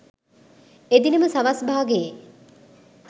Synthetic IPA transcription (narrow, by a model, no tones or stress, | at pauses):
ed̪iniməsaʋasbʱaːɡeje